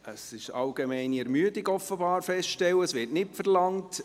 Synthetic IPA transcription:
əsɪʃɑlɡ̥emɛɪniɛɾmyədɪɡɔfəbɑːɾfɛstʃtɛwəsʋɪːɾtnɪtfərlɑŋt

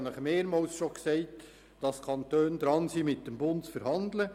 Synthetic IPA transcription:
nləχmeːɾmɑːlsʃoksɛɪt | d̥ɑskʰɑntøːnd̪ɾɑnsimɪt̚dəmbʊntt͡sfəɾhɑnd̪lə

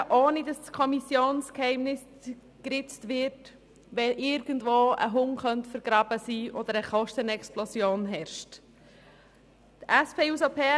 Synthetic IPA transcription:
ʔɔːnidɑskʰɔmisjoːnskhɛɪmnɪs | kɾɪt͡stʋɪt | ʋɛʔɪɾɡ̥əndʋoːə̰ɦʊŋχœntfəɾɡ̥ɾɑːbəsiːʔɔd̪əɾəχɔʃtənɛksplɔsjoːnɦɛɾʃt | tæspʰeːusopʰɛː

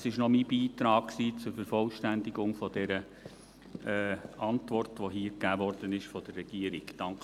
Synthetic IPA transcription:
sɪʃnɔmibiːt̪ɾɑːkksiːt͡sʊɾfəɾfɔlʃtændɪɡʊŋfɔdɛɾə | ɛʔɑntʋɔrtʋoɦiːkæːʋɔrd̥ənɪʃfɔd̥̪ərːɛɡ̥iəɾɪɡd̥ɑŋk

